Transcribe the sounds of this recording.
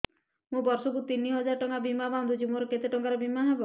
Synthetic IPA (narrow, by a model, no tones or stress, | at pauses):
mũbɔɾsɔk̬ut̪iniɦɔd͡ʒaɾɔʈɔŋkabimaband̪ʱut͡ʃʰimoɾɔket̪eʈɔŋkaɾɔbimaɦebɔ